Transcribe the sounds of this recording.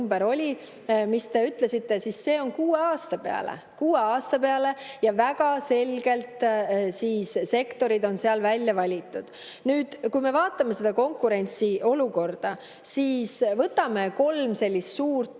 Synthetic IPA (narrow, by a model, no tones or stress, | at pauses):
mbeɾo̞lʲi | mist̪e̞yt̪ˑle̞sit̪ːe̞sisːe̞ːo̞nkuːe̞ɑːst̪ɑpe̞̰ɑ̰lḛ | kuːeɑːst̪ɑpe̞ɑle̞jɑvæɡ̥ɑse̞lɡ̥e̞lt̪ˑsiːsse̞kt̪o̞ɾid̪o̞nseɑlvælʲjɑvɑlʲit̪ːˑud̪̥ | nyːd̪̥kujme̞vɑːt̪ːˑɑme̞se̞d̪̥ɑko̞ŋkːuɾe̞nʲt̪siʔo̞luko̞rd̪̥ɑ | siːsvɤt̪ːɑme̞ko̞lmse̞lʲːist̪suːrt̪